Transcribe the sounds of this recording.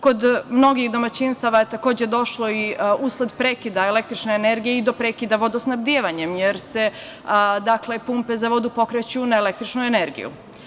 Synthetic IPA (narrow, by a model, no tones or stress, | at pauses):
ko̞d̪mno̞ɡixd̪o̞mat͡ɕinst̪aʋajet̪ako̞ːd͡ʑed̪o̞ʃlo̞iusled̪pɾeːkid̪aelek̚t̪ɾit͡ʃneːneɾɡijeid̪o̞pɾeːkid̪aʋo̞d̪osnabd̪ijeːʋaɲemjeɾse̞ | d̪akle̞pumpe̞zaʋo̞d̪upo̞kɾet͡ɕunaelek̚t̪ɾit͡ʃnueneɾɡḭjṵ